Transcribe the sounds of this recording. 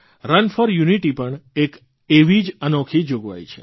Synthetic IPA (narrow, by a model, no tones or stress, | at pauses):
ɾənfɔɾjuniʈipəɳek | eʋid͡ʒənokʰid͡ʒoɡʋa̰jt͡ʃʰḛ